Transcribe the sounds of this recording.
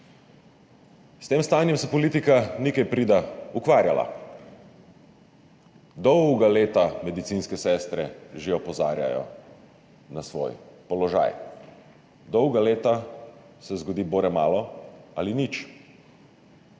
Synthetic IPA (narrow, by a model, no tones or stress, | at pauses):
st̪eːmst̪aːnjɛmsɛpɔliːt̪ikanikɛjpɾid̪aukʋaːɾjala̰ | d̪ɔwɡaleːt̪amɛd̪it̪sinskɛsɛst̪ɾɛʒeɔpɔza̰ːɾja̰jɔ̰ | nasʋo̰ːjpɔlɔʒa̰ːj | d̪ɔwɡaleːt̪a | sɛzɡɔd̪iːboːɾɛmaːlɔalinit͡ʃ